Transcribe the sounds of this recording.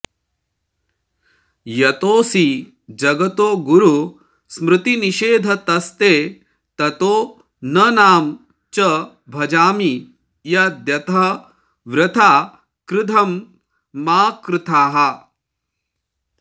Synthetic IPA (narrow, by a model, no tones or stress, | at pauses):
jɐt̪oːsi | d͡ʒɐɡɐt̪oːɡuɾu | smɾɨt̪iniʃeːd̪ʱɐt̪ɐst̪eː | t̪ɐt̪oː | nɐnaːm | t͡ʃɐ | bʱɐd͡ʒaːmi | jɐd̪jɐt̪ɐɦɐ | ʋɾɪt̪ʰaː | kɾɪt̪ʰɐmː | aːkɾɪt̪ʰaːɦɐ